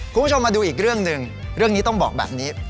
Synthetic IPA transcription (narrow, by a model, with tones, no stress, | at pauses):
kʰu˧˦˥u˥t͡ɕʰmaː˧duː˧ʔiː˨˩k̚ɾɯ˥˩əŋnɯ˨˧ŋ | ɾɯ˥˩əŋniː˦˥t̪ɔ˥˩ŋbɔː˨˩k̚bɛ̰ː˨˩p̚niː˦˥